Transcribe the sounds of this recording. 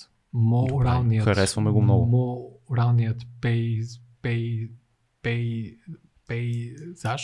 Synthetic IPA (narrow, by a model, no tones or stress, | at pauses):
mɔɾalˠnijəxɐɾɛsvəmɛɡomnɔɡʊmɔɾalˠnijət̪pɛj | pɛj | pɛ | pɛjz̥aʃ